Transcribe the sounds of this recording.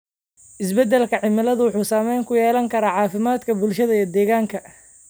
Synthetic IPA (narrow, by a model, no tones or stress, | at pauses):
ʔɪsbɛd̪ɛlkʰɐʕɪmɪlɐðʊwʊħuːsaːmɛjŋkʰʊjɛːlɐŋkʰɐɾaːʕɑːfɪmaːd̪kʰɐbʊlʃɐðɐiːɔd̪ɛːɣaːŋkʰɐ